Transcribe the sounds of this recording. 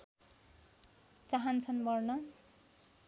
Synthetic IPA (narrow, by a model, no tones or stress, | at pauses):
t͡saɦʌnt͡sʰʌnbʌrnʌ